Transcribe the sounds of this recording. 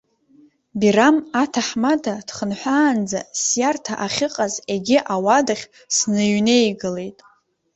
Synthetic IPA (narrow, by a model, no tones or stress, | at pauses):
biramatʰaħmadʰad̥χənħʷaːnd͡zasjartʰaʔaχʲɪqʼazeɡʲɪʔawadaχʲ | snɨjne̞jɡɨle̞jtʼ